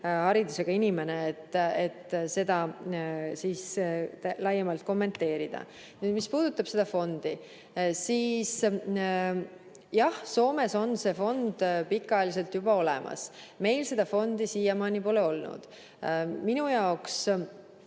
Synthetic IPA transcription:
hɑɾid̪use̞ɡ̥ɑinime̞ne̞ːt̪ːet̪ːse̞d̪ɑ | siːst̪lɑjːɑmɑlt̪̚ko̞mːe̞nt̪ːe̞ːɾid̪̥ɑ̰ | nyːd̪mispuːd̪̥ut̪ːˑɑb̥se̞d̪̥ɑfo̞nd̪̥i | siːs | jɑhso̞ːme̞so̞nse̞fo̞nd̪̥pikːˑɑeːlise̞lt̪jubɑo̞lḛmʔɑ̰sme̞jlse̞d̪̥ɑfo̞nd̪isijɑmɑːnipoːle̞o̞lnṵd̪̥ | minujɑoks

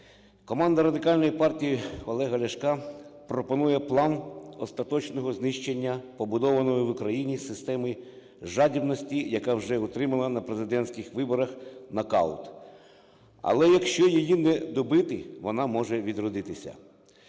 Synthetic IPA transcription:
kɔmɑnd̪ɐɾɐd̪ɪkɑlʲnɔjipɑrtʲijiɔlˠɛɦɐlʲɐʃkɑpɾɔpɔnujɛplˠɑnɔst̪ɐt̪ɔt͡ʃnɔɦɔznɪʃt͡ʃenʲːɐpɔbʊd̪ɔʋɐnɔjɔʋʊkɾɐjinʲisɪst̪ɛmɪ | ʒɑdʲibnɔsʲtʲijɐkɑwʒɛʊt̪ɾɪmɐlˠɐnɐpɾezɪd̪ɛnʲsʲkʲɪxʋɪbɔɾɐxnɐkɑ̰lˠt̪ | ɐ̰lˠɛjɐkʃt͡ʃɔjijinɛd̪ɔbɪt̪ɪʋɔnɑmɔʒɛʋʲid̪ɾɔd̪ɪt̪ɪsʲɐ̰

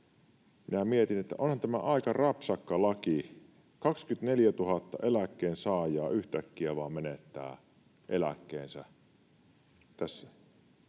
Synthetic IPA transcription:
minæmiet̪inet̪ːæ̰ʔonhɑnt̪æmæʔɑikɑrɑpsɑkːɑlɑki | kɑkskyt̪neljæt̪uhɑt̪ːɑ̰ʔelækːeːnsɑːjˑɑːyht̪ækːiæʋɑːmenet̪ːæ̰ː | ʔḛlæ̰kːḛːnsæ | t̪æsːæ̥

